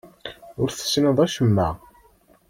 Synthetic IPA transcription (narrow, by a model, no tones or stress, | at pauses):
ʊɾθə̥snəðˤæʃəmːæ